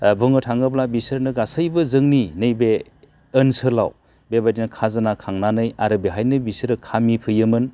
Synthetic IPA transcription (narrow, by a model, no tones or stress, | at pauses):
bʱɯŋɯtʰaŋɯblabisɯɾnɯɡasɯjbɯzɯŋninɯjbe | ɯnsɯla̰w | bebadinɐkʰazanakʰaŋnanɯjaɾɯbeɦajnɯbisɯɾɯkʰamipʰɯjɯmɯn